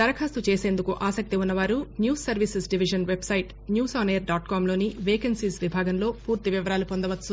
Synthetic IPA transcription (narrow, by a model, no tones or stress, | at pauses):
t̪ɐɾɐkʰaːst̪ut͡ʃe̞ːse̞ːnd̪ukuʔaːsɐk̚t̪iunːɐʋaːɾunjuːsɐɾʋisesɖiʋiʃɐnʋebsɐjʈ | njuːsaːneːɾɖaːʈkaːmlo̞ːniʋeːkɐnsiːsʋibʱaːɡɐnlo̞ːpuːɾt̪iʋiʋɐɾaːlupond̪ɐʋɐt̪s